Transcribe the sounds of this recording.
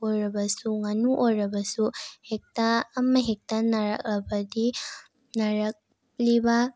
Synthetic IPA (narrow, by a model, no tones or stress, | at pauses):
ɔɾabasuŋanuʔoɾabasuhek̚taːmaɦek̚tanaɾa̰k̚labadi | naɾak̚ | liba